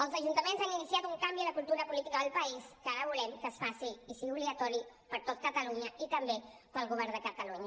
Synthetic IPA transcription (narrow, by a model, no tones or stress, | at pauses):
əlsaʒunt̪amẽnsaŋinisjat̪uŋkambjulakult̪uɾapulit̪ikaðeəlpaiskaɾaβulemkəsfasiisiuβliɣat̪ɔɾi | pəɾt̪ot̪̚kat̪aluɲait̪ambe | palɣuβ̞ɛɾnðəkat̪aluɲa